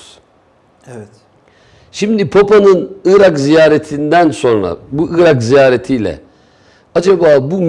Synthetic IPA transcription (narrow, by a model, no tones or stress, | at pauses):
ɛt̪ | ʃimd̪ipʰopanɯnɯɾakzijaːɾet̪ʰind̪ænso̞nɾa̰buʔɯɾakzijaːɾet̪ʰijlʲɛ̰ | ad͡ʒabaːbum